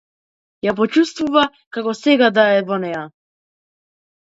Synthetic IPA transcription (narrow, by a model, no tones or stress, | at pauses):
jap̬ɔt͡ʃust̪vuva | kakɔsɛɡad̪aɛvɔnɛja